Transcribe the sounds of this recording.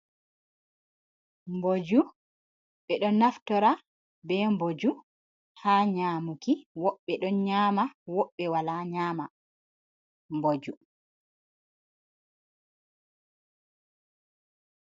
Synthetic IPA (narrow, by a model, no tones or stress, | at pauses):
mbod͡ʒu | ɓɛɗɔnaftɔɾa | bɛmbod͡ʒu | haːɲaːmukiwɔɓːɛɗɔnɲaːmawɔɓːɛwalaɲaːma | mbod͡ʒu